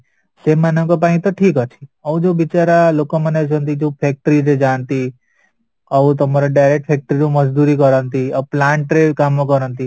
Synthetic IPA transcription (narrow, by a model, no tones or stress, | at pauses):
seːmːanə̃kɔp̬aːĩt̪ɔʈʰiːkɔt͡ʃʰi̥ɐʋũd͡ʒobit͡ʃaɾalokɔ̃məned͡ʒɔ̃nt̪id͡ʒopʰek̚ʈɾiɾed͡ʒaːnt̪i | ɔʋut̪̬ɔmaɾaɖajɾek̚ʈ̚pʰeːk̚ʈɾiɾõməd͡ʒd̪uɾikɔɾənt̪iɐplaːɳʈɾekamõkɔɾənt̪i